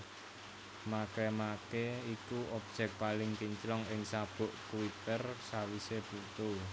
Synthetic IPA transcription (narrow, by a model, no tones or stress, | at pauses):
makemakeikuʔɔp̚d̥ʒ̥ɛ̤k̚palɪŋkiɲt͡ʃlɔŋɪŋsab̥ʊ̤ʔkuwit̪ərsawiseb̥ut̪ʊl